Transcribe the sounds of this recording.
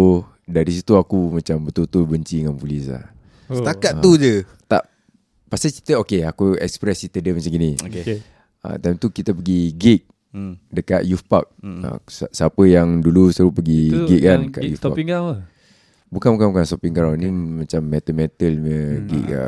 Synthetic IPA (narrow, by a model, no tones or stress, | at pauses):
daɾis̬it̪uakumat͡ʃambət̪ut̪obəɲt͡ʃiŋanpulisla̰h | sət̪akat̪t̪ːud͡ʒə | t̪a̰ʔ | pasaki̥t̪əokeakuɛ̰kspɾɛsit̪ədəmat͡ʃaŋɡinio | ə̰t̪ajmt̪ukit̪ap̬əɡiɡik̚ | dəkat̪̚jufpa̰k̚ə̰ssəapəjaŋdulusəɾupəɡiɡiʔ̚kandəka̰ʔjufapa | bukanbuk̬anbukansopiŋɡaɾawnimãt͡ʃamːɛt̪əmɛt̪əlɲəɡḭkə̰